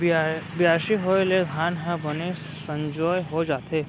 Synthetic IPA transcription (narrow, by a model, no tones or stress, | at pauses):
bɪjaːʃiɦoled̪ʱjaːnɦə̃bɐne | sə̃ɲd͡ʒɔːjɦod͡ʒaːt̪eː